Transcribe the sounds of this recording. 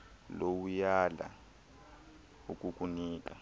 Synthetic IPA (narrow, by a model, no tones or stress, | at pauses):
lowujala̰ | ukʼukʼuniːk̬ʼa